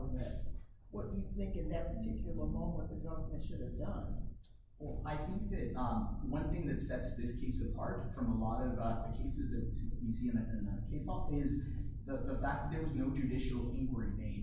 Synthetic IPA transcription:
ɨt̚ | wʌt̚d̥ɨjɨθɪ̃ŋkɨ̃nðɨt̚pʰə˞tʰɪkjl̩ˠəmõʊ̃mə̃t̪̚ðɨɡʌvə˞mɨ̃nʃʊɾɨvdʌ̃n | wɛlˠaɪθɪ̃ŋk̚ðɨt̚wʌ̃nθɪ̃ŋðɨtsɛtsðɪskʰeɪsʌvʰɑ̰ɹtfɹʌ̃məlɔɾʌvʌðɨkʰeɪsɨzðɨtswisiɨ̃nɨʔɨ̃nɨkʰeɪsɔfɪz | ðəðəfæk̚ðɨt̪̚ðə˞wʌznoʊd͡ʒɨdɪʃl̩ˠɪ̃nkʰwə˞imeɪ

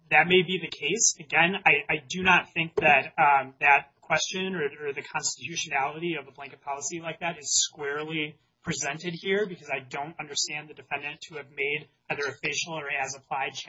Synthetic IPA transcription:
ðɨt̚meɪbiðɨkʰeɪsɨɡɛ̃naɪʔaɪdɨnət̪̚θɪ̃ŋk̚ðɨt̪̚ðɨt̚kʰw̥ɛst͡ʃɨ̃nə˞ə˞ðɨkʰɑ̃nstɨtʰʉʃɨnælˠəɾiʌvəblæ̃ŋkɨt̚pʰɑlˠəsilaɪk̚ðæɾɨz̥skwɛɹlˠi | pʰɹ̥izɛ̃ntɨd̚hiɹbɨkʰʌzaɪdõʊ̃ntʌ̃ndə˞stæ̃nðɨdɨfɛ̃ndɨ̃ntʰɨːvmeɪɾʔaɪðə˞ɨfɪʃl̩ˠə˞ɨzəpʰl̥aɪd̚t͡ʃʰ

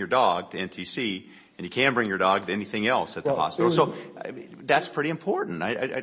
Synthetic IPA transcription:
jə˞dɔɡ̚tʰɨɛ̃ntʰisi | ɨ̃njɨkʰæ̃nbɹɪ̃ŋjə˞dɔɡ̚tʰɨɛniθɪ̃ŋɛlˠsɨt̪̚ðəhɑ̰spɪɾl̩ˠsoʊ | ðætspʰɹ̥ɪɾiɨ̃mpʰɔɹʔn̩taɪa̰ɪɪ

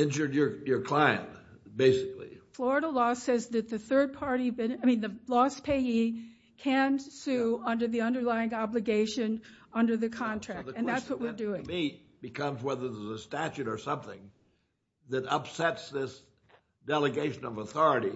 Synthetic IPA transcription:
ɪ̃nd͡ʒə˞də˞jə˞kʰl̥aɪɨ̰̃nt | b̥eɪsɨklḭflɔɹɨɾəlɔsɛzðɨt̪̚ðɨθɜ˞d̚pʰɑɹɾibɪ̃naɪmĩnðɨlɔspʰeɪi | kʰɨ̃nsʉʌ̃ndə˞ðiʌ̃ndə˞laɪɪ̃ŋɑblɨɡeɪʃɨ̃nʌ̃ndə˞ðɨkʰɑ̃ntʰɹ̥ækðɨ̃nðætswʌʔ̚wɪɹdʉɪ̃ŋmit̚ | b̥ɨkʰʌ̃mzwɛðə˞ðəzəstæt͡ʃʉɾə˞sʌ̃mθɪ̰̃ŋ | ðɨɾʌpsɛtsðɪs | d̥ɛlˠəɡeɪʃɨ̃nʌvəθɔɹɨɾi

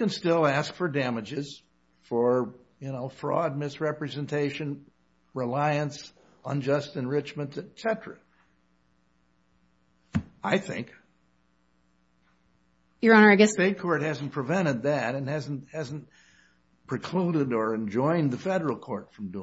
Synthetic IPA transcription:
ɨ̃nstɪlˠæskfə˞dæmɨd͡ʒɪz̥ | fə˞ | jɨnoʊfɹɔ̰d̚mɪsɹɛpɹɨzɨ̃ntʰeɪʃɨ̃n | ɹɪlaɪɨ̃ns | ə̃nd͡ʒʌstɨ̃nɹɪt͡ʃmə̃ntɨtsɛɾɹ̥ɨ | aɪθɪ̰̃ŋk | jə˞ɑnə˞ɨɡɛseɪt̚kʰɔɹt̚hæzn̩pʰɹ̥ɨvɛ̃ɾ̃ɨd̪̚ðɨɾɨ̃nhæzn̩thæzn̩ | pʰɹ̥ɨkʰl̥uɾɨɾə˞ɨ̃nd͡ʒɔ̃ɪ̃nðɨfɛɾə˞l̩ˠkʰɔɹtfɹʌ̃mdu

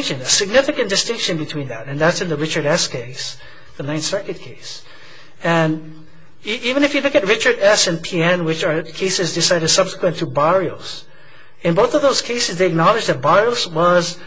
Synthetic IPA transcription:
ŋʃɨ̃nɨsɨɡ̚nɪfɨkɨ̃nd̥ɨstɪ̃ŋkʃɨ̃nbɨtʰw̥ĩnðɨɾɨ̃nðætsɨ̃nðɨɹɪt͡ʃə˞ɾɛskʰeɪs | ðɨnãɪ̃nsɜ˞kɨt̚kʰeɪs | ɨ̃n | iʔivɨ̃nɨfjɨlʊkɨt̚ɹɪt͡ʃə˞ɾɛsɨ̃npʰiɛ̃nwɨt͡ʃə˞kʰeɪsɨzdɨsaɪɾɨd̥sʌb̥sə̥kʰwɨ̃ntʰɨbɑɹioʊs | ɨ̃nboʊθʌvðoʊz̥kʰeɪsɨzðeɪɨk̚nɑlˠɨd͡ʒðɨt̚b̥ɑɹioʊswʌz

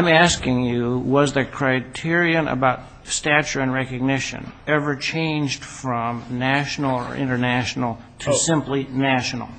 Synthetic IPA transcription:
ãɪ̃mæskɪ̃ŋjɨwʌzðɨkʰɹ̥aɪtʰɪɹiɨ̃nə̰baʊt̚ | stæt͡ʃə˞ɨ̃nɹɛkɨɡ̚nɪʃɨ̰̃nɛvə˞t͡ʃʰẽɪ̃nd͡ʒd̥fɹʌ̃mnæʃn̩l̩ˠə̰˞ʔɪ̰̃ñə˞næʃn̩l̩ˠ | tʰɨsɪ̃mplinæʃn̩l̩ˠ

